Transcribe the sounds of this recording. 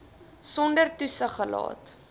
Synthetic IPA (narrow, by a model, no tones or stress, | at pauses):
sɔndərtusəχəlɑ̰ːt